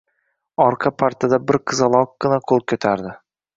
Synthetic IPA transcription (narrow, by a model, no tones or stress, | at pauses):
ɒɾqʰɑpʰaɾt̪ʰad̪abɪɾqʰɨzalˠɒq̚ɡ̥ɨnaqʰolˠkʲʰɵt̪ʰaɾd̪ɪ